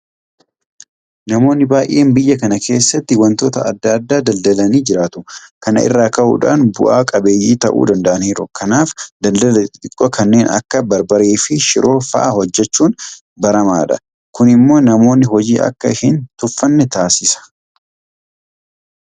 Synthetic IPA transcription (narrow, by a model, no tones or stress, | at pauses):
nɐmo̞ːnːɪbaːjʔe̞ːmbɪjːɐkɐnɐkʰe̞ːsːɐt̪ːɪwɐnt̪o̞ːt̪ɐɐd̪ːɐd̪ːaːd̪ɐld̪ɐlɐniːd͡ʒɪɾaːt̪ʊkɐnɐ̰ʔɪ̰rːaːkɐʔṵːᶑa̰ːnbʊ̰ʔaːkʼɐbe̞ːjːiːt̪ɐʔṵːd̪ɐnd̪ɐʔɐniːɾʊkɐnaːfd̪ɐld̪ɐlɛɪt̪ʼɪkʼːokʰɐnːe̞ːnɐ̰kːɐbɐɾbɐɾeːfɪʃɪɾʔo̞ːfɐ̰ʔahɔd͡ʒːɛt͡ʃːuːn | bɐɾɐmaːᶑɐ | kʊnɪmːo̞ːnɐmo̞ːnːɪɦɔd͡ʒiːʔɐ̰kːɐhɪnt̪ʊfːɐnːɛt̪aːsɪsɐ̥